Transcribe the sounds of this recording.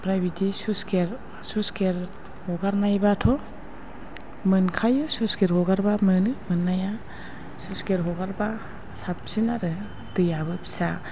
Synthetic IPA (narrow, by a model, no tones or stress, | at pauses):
pɾajbidisuskeɾ | suskeɾ | hɔɡaɾnajbatʰɔ | mɯnkʰajɯsuskeɾɔɡaɾbamɯnɯmɯnːaja | suskeɾɦɔɡaɾba | sap̚sinaɾɯ | dɯjabɯpʰi̥sa